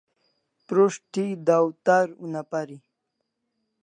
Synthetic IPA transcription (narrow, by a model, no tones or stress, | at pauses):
pɾoʂʈid̪awt̪aɾṵnapaɾi